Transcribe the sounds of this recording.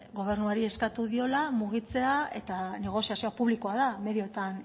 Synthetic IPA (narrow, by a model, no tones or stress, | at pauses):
ɡo̞β̞e̞ɾnuaɾie̞skat̪uðio̞lamuɣ̞it͡se̞ae̞t̪ane̞ɣ̞o̞siasiopuβ̞liko̞aðame̞ðio̞t̪an